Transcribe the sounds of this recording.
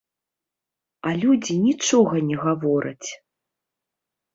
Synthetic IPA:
alʲud͡zʲinʲit͡ʂɔɣɐnʲɛɣavɔɾɐt͡sʲ

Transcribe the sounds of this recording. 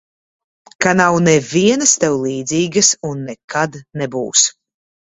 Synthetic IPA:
kanawnɛviɛnɐst̪ɛwlˠiːd̪ziːɡɐsunːɛkʰad̪nɛbṵːs

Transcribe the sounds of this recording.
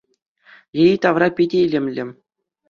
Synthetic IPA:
jeit̪ɑʋrɑpʲedʲeilʲĕmʲlʲɘ̆m

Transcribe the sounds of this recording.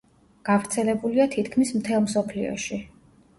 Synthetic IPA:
ɡ̥avɾt̪sʰɛlɛbuliat̪ʰit̪ʰkʰmismt̪ʰɛlˠmsɔpʰlḭɔ̰ʃi

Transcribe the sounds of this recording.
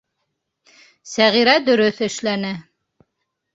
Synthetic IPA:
sæʁiɾæd̪ɵ̆ɾɵθɘ̆ʃlænæ

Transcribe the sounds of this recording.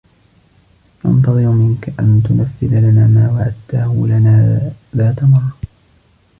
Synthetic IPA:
ʔɑ̰nt̪ɑðˤɨɾmɪnkaʔant̪ʊnafːɪðalananaːwaʔat̪ːaːhʊːlanaːðaːt̪amɑrˤ

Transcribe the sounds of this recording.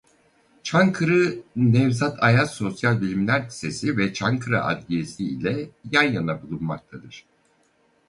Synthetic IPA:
t͡ʃʰaŋkʰɯɾɯnɛvzat̪ʰajaso̞sjalʲbilʲimlʲæɾi̥se̞sivɛt͡ʃʰaŋkʰɯɾa̰ʔa̰d̪liesiḭlʲɛjanjanabulˠunmak̚t̪ʰad̪ɯɾ̥

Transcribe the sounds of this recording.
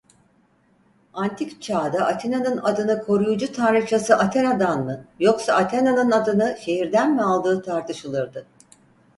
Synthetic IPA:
ant̪ʰikt͡ʃʰaːd̪aʔat̪ʰenanɯnad̪ɯnɯkʰo̞ɾujud͡ʒut̪ʰanɾɯt͡ʃʰasɯʔat̪ʰenad̪anmɯjo̞ksaʔat̪ʰenanɯnad̪ɯnɯʃe̞ɦiɾd̪ænmɛalˠd̪ɯːt̪ʰaɾt̪ʰɯʃɯlˠɯɾd̪ɯ

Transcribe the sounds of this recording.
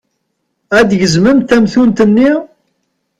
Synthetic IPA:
æd̪ʝəzməmt̪æmθunt̪ənːi

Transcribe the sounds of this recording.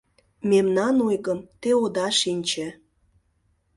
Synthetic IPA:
memnɑnojɣəmt̪eod̪ɑʃinʲt͡ɕĕ

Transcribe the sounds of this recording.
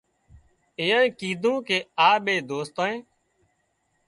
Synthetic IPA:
ɪːjãːĩːkiːd̪ʱũːkeːaːɓeːd̪oːst̪ãːẽː

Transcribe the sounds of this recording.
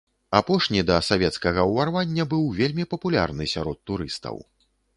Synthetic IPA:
apɔʂnʲid̪ɐsavʲɛt̪skɐɣɐwvarvanʲːɐbɨwvʲelʲmʲipɐpulʲa̰rnɨsʲa̰ɾɔt̪ːuɾɨ̰st̪ɐ̰w

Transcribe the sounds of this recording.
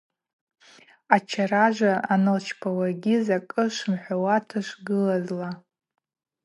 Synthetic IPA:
at͡ʃʰaɾaʒʷaanɨlt͡ʃʰpʰawaɡʲizakʼɨʂʷmħʷawatʰaʂʷɡɨlazla

